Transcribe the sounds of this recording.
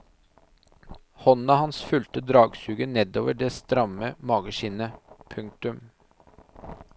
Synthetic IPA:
hɔnɑhɑnsfʉlt̪əd̪ɾɑːɡsʉːɡənɛd̪oːʋəɖɛst̪ɾɑməmɑːɡəʃɪnəpʰʉŋk̚t̪ʉm

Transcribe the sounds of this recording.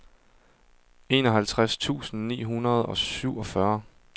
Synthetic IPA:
e̝ːnɒ̽ɦælt͡sʰʁast͡sʰṵːsn̩nḭːɦunɐð̞̩ˠɒ̽syʊ̰ɒ̽fɶɐ

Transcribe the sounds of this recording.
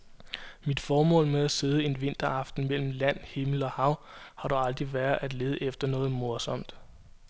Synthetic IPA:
mid̥fɒːmɔ̰̽ːlmeæse̝ð̞ˠəe̝nʋe̝n̰d̥ɐɑ̈fd̥n̩mel̰m̩læn̰he̝ml̩ɒ̽hɑ̈ʊ̰hɑ̈ɾuɑ̈ld̥ʁiʋæɐæd̥le̝ːð̞ˠəʔefd̥ɐnɔ̽ːð̞̩ˠmo̝ɐsɒ̽m̰d̥

